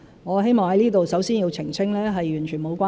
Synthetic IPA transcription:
ŋɔː˨˧ɦe˥jmɔː˨ŋhɐ˨˦jliː˥t̪o˨wsɐ˨˥wsiː˥nji˧wt͡sʰɪ˨˩ŋt͡sʰɪ˥ŋlɛː˥ɦɐ˨jyː˨˩nt͡ʃʰyː˨˩nmo˨˧wkʷaː˥

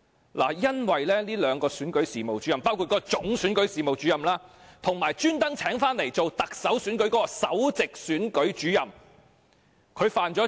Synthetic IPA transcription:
la̰ː˨˩jɐ˥nwɐ˨jlɛː˥niː˥lœː˨˧ŋkɔː˧syː˨˥nkɵ˨˥ɥsiː˨mo˨wt͡ʃyː˨˥jɐ˨mpaː˥wkʰu˨˧t̚kɔː˧˥˧t͡sʊ˨˥ŋsyː˨˥nkɵ˨˥ɥsiː˨mo˨wt͡ʃyː˨˥jɐ˨mlaː˥t̪ʰʊ˨˩ŋmaː˨˩jt͡ʃyː˥nt̪ɐ˥ŋt͡sʰɛː˨˥ŋfaː˥nle˨˩jt͡so˨wt̪ɐ˨k̚sɐ˨˥wsyː˨˥nkɵ˨˥ɥkɔː˨˦˥kɔː˧sɐ˨˥wt͡sɪ˨k̚syː˨˥nkɵ˨˥ɥt͡ʃyː˨˥jɐ˨m | kʰɵ˨˧ɥfaː˨nt͡ʃɔː˨˥

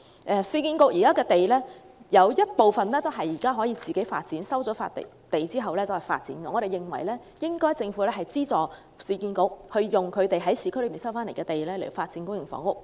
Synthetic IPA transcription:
ʔɛː˧siː˧kiː˧nkʊ˧˥k̚jiː˨kaː˥kɛː˧t̪e˨jlɛː˥ | jɐ˨˧wjɐ˥t̚po˨wfɐ˨nlɛː˥t̪o˥wɦɐ˨jːiː˨˩kaː˥ɦɔː˨˥jiː˧t͡siː˨ke˨˥jfaː˧t̚t͡siː˨˥nsɐ˥wt͡sɔː˨˥fa̰˧t̪ | t̪e˨jt͡siː˥ɦɐ˨wlɛː˥t͡sɐ˨˩whɐ˨jfa̰ː˧t̚t͡sḭː˨˥nkɛ˧ŋɔː˨˧ɾe˨jɪ˨ŋwɐ̰˨˩jlɛː˥ | jɪ˥ŋkɔː˥jt͡sɪ˧ŋfu˨˥lɛː˥ɦɐ˨jt͡siː˥t͡sɔː˨ | siː˧kiː˧nko˧k̚hɵ˧ɥjʊ˨ŋkʰɵ˨˧ɥt̪e˨jɦɐ˨˥jsʰi˨˧kʰlːpiː˨nsɐ˥wfaː˥nle˨˩kɛː˧t̪e˨jlɛː˥le˨˩o˨˧faː˧t̚t͡siː˨˥nkʊ˥jɪ˨˩ŋfɔ̰ː˨˥ŋʊ˥k̚

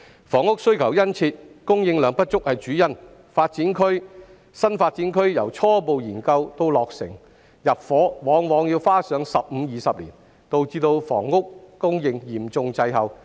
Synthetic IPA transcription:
fɔː˨˩ŋʊ˥k̚sɵ˥ɥkʰɐ˨˩wjɐ˥nt͡sʰiː˧t̚kʊ˥ŋjɪ˧ŋlœː˨˧ŋpɐ˥t̚t͡ʃʊ˥k̚hɐ˨jt͡ʃyː˨˥jɐ˥n | faː˧t̚t͡siː˨˥nkʰɵ˥ɥ | sɐ˥nfaː˧t̚t͡si˨˥nkʰɵ˥ɥjɐ̰˨˩wt͡ʃʰɔː˥po˨wjiː˨˩nkɐ˧wt̪o˥wlɔː˨k̚sɪ̰˨˩ŋ | jɐ˨p̚fɔː˨˥wɔː˨˥ŋwɔː˨˧ŋji˧wfaː˥sœː˨˥ŋsɐ˨p̚m̩˨˧jiː˨sɐ˨p̚liː˨˩n | t̪o˨wt͡siː˧t̪o˧wfɔ̰ː˨˩ŋːʊ˥kːʊ˥ŋjɪ˧ŋjiː˨˩mt͡sʊ˧ŋt͡sɐ˧jɦɐ˨w

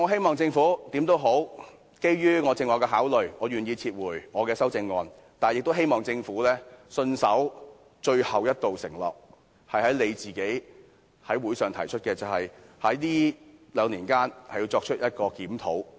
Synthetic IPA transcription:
ŋɔː˨˧ɦe˥jmɔː˨˩ŋt͡sɪ˧ŋfuː˨˥t̪iː˨˥mt̪o˥wɦo˨˥w | ke˥jɥyː˥ŋɔː˨˧t͡sɪ˧ŋwɔː˨˩kːɛː˧ɦaː˨˥wlɵ˨˩ɥŋɔː˨˧ɥyː˨˩njiː˧t͡sʰiː˧t̚wuː˨˩jŋɔː˨˧kɛː˧sɐ˥wt͡sɪ˧ŋːɔː˧n | t̪aː˨njɪ˨k̚t̪o˥ɦe˥jmɔː˨ŋt͡sɪ˧ŋfuː˨˥lɛː˥sɵ˧nsɐ˨˥w | t͡ʃɵ˧ɥhɐ˨wjɐ˥t̚t̪o˨wsɪ̰˨˩ŋlɔ̰ː˨˩k̚ | hɐ˨jhɐ˨˥jle˨˧jt͡siː˨˩ke˨˥j | hɐ˨˥jwuː˨˥jsœː˨˩ŋt̪ʰɐ˨˩jt͡ʃʰɵ˥t̚kɛː˧t͡sɐ˨whɐ˨jhɐ˨˥jliː˥lœː˨˧˥ŋliː˨˩nkaː˥nhɐ˨˩ji˧wt͡ʃɔː˧kt͡ʃʰɵ˥t̚jɐ˥t̚kɔː˧kiː˨˥mt̪ʰo̰˨˥w

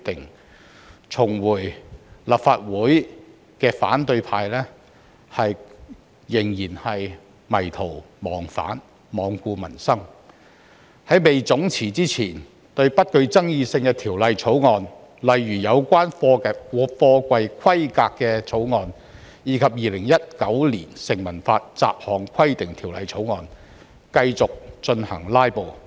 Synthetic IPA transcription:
t̪ɪ˨˩ŋ | t͡sʰʊ˨˩ŋwuː˨˩jla˨pfaː˧t̚wuː˨˥j | kɛː˧fa̰ː˨˥nt̪ɵ˧ɥpʰaː˧jlɛː˥ | hɐ˨j | jɪ˨˩ŋjiː˨˩nhɐ˨j | mɐ˨˩jt̪ʰo˨˩w | mɔː˨˩ŋfa̰ː˨˥n | mɔː˨˧ŋkuː˧mɐ̰˨˩nsɐ˥ŋ | hɐ˨˥jme˨jt͡sʊ˨˥ŋt͡sʰiː˨˩t͡siː˥t͡sʰiː˨˩n | t̪ɵ˧ɥpɐ˥t̚kɵ˧ɥt͡sɐ˥ŋjiː˧sɪ˧ŋkɛ˧t̪ʰiː˨˩wlɐ˨jt͡sʰo˨˥wŋɔː˧n | lɐ˨jɥyː˨˩jɐ˨˧wkʷaː˥nffɔː˧kʷɐ˧jkʰwɐ˥jkaː˧kːɛ˧t͡sʰo˨˥wŋɔː˧n | jiː˨˧kʰɐ˨p̚jiː˨lɪ˨˩ŋjɐ˥t̚kɐ˨˥wliː˨˩nsɪ˨˩ŋmɐ˨˩nfaː˧t̚t͡sa̰ː˧p̚hɔː˨˩ŋkʰɐ˥jt̪ɪ˨ŋt̪ʰi˨˩wlɐ̰˨˧jt͡sʰo˨˥wŋɔː˧n | kɐ˧jt͡sʊ˨k̚t͡ʃɵ˧nhɐ̰˨˩ŋlaː˥jpo˨˩w

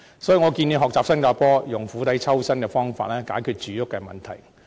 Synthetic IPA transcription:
sɔː˨˥jiː˨˧ŋɔː˨˧kiː˧ni˨˧ɦɔː˨k̚t͡saː˨p̚sɐ˥nkaː˧pɔː˥jʊ˨˩ŋfuː˨˥t̪ɐ˨˥jt͡sʰɐ˥wsɐ˥nkɛ˧fɔː˥ŋfa̰ː˧t̚lɛː˥kaː˨˥jkʰyː˧t̚t͡ʃyː˨˧jʊ˥kːɛː˧mɐ̰˨˩nt̪ʰɐ˨˩j

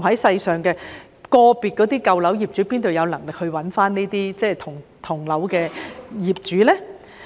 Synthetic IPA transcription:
hɐ˨˥jsɐ˧jsœː˨˩ŋkɛː˧ | kɔː˧piː˨˩t̚kɔː˨˥t̪iː˥kɐ˧wlɐ˨˥wjiː˨p̚t͡ʃy˨˥piː˥nt̪o˨˧wjɐ˨˧wlɐ˨˩ŋlɪ˨k̚hɵ˧ɥwɐ˨˥nfaː˥nne˥t̪iː˥t͡sɛː˥˩t̪ʰʊ˨˩ŋt̪ʰʊ˨˩ŋlɐ˨˥wkɛː˧jiː˨˩p̚t͡ʃyː˨˥lɛː˥

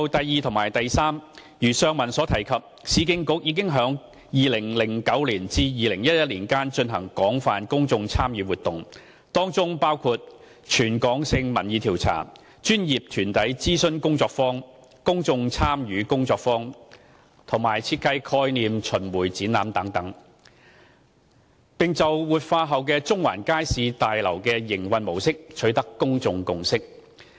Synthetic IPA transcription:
wt̪ɐ˨jːiː˨˧t̪ʰʊ˨˩ŋmaː˨˩jt̪ɐ˨jsaː˥m | jyː˨˩sœː˧ŋmɐ˨˩nsɔː˨˥t̪ʰɐ˨˩jkʰɐ˨p̚siː˨˧kɪ˧ŋkʊ˨˥k̚jiː˨˧k̬ɪ˥ŋɦœː˨˥ŋ | jiː˨lɪ˨˩ŋlɪ˨˩ŋkɐ˨˥wliː˨˩nt͡siː˧jiː˨˧lɪ˨˩ŋjɐ˥t̚jɐ˥t̚liː˨˩nkaː˥nt͡ʃɵ˧nɦɐ˨˩ŋkɔː˨˥ŋfaː˨nkʊ˥ŋt͡sʊ˧ŋt͡sʰaː˥mjyː˨˧wuː˨˩t̪̚ʊ˨˩ŋ | t̪ɔː˥ŋt͡sʊ˥ŋpaː˥wkʰuː˧t̚ | t͡ʃʰyː˨˩nkɔː˨˥ŋsɪ˧ŋmɐ˨˩njiː˨˧t̪ʰiː˨˩wt͡sʰa̰ː˨˩ | t͡ʃyː˥njiː˨p̚t̪ʰyː˨˩nt̪ɐ˨˥jt͡siː˥sɵ˥nkʊ˥ŋt͡sɔː˧k̚fɔː˥ŋ | kʊ˥ŋt͡sʊ˧ŋt͡sʰaː˥mjyː˨˥kʊ˥ŋt͡sɔː˧k̚fɔː˥ŋ | t̪ʰʊ˨˩ŋmaː˨˩jt͡sʰiː˧t̚kɐ˧jkʰɔː˧˥jniː˨mt͡ʃʰɵ˨˩nwuː˨˩jt͡siː˨˥naː˨˧mt̪ɐ˨˥ŋt̪ɐ˨˥ŋ | pɪ˨ŋt͡sɐ˨wwuː˨˩t̚faː˧ɦɐ˨wkɛː˧t͡sʊ˥ŋwa̰ː˨˩nkaː˥jsiː˨˧t̪aː˨jlɐ˨˩wkɛː˧jɪ˨˩ŋwɐ˧nmo˨˩wsɪ˥k̚t͡ʃʰɵ˨˥ɥt̪ɐ˥kːʊ˥ŋt͡sʊ˨ŋkʊ˨ŋsɪ˥k̚

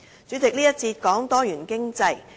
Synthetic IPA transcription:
t͡syː˨˥t͡sɪ˨k̚liː˥jɐ˥t̚t͡siː˧t̚kɔː˨˥ŋt̪ɔː˥jyː˨˩nkɪ˥ŋt͡sɐ˧j

